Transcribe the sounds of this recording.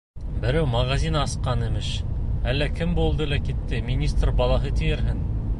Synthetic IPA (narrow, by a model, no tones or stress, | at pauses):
bɘ̆ɾæwmɑɣazʲinɑsqɑnɘ̆mɘʃælːækɘmbulˠd̪ɤlækit̪ːɘmʲinʲist̪rbɑlˠɑɦɤt̪ɘ̆jɘ̆ɾɦɘn